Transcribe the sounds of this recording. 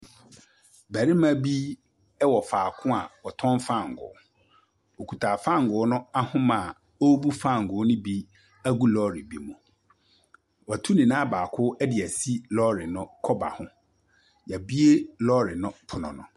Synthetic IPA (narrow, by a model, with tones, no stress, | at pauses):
bæ˨ɾɪ˦mã˦bi˦ | ɛ˦wɔ˨faː˨kʰʊ̃˦a˨wɔ˨tʰɔ̃˦nfã˦˨ŋ̩˨ɡʊ̰˨˦ | o˨kʰu˨tʰaː˨fã˦˨ŋ˨ɡʊ˨˦nʊ̃˦a˦hʊ̃˦mã˨ | o˦bu˦fã˦˨ŋ̩˨ɡʊ˨˦nʊ̃˦bi˦ | æ˦ɡu˦lɔ˦ɾi˨bi˦mʊ̃˨ | wɔ˨tʰu˦nĩ˨nã˦baː˨kʰʊ˦ɛ˦dɪ˨æ˨si˦lɔ˦ɾɪ˨nʊ̃˦kʰɔ˦ba̰˨hʊ̃˦ | ja˨bi˦e˦lɔ˦ɾɪ˨nʊ̃˦pʰʊ˨nʊ̰̃˨nʊ̰̃˨